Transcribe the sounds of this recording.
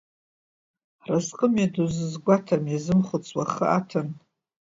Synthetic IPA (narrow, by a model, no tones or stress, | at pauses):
razqʼəmaduzɨzɡʷatʰamjazɨmχʷʊt͡sʼwaχə̰ʔatʰɨn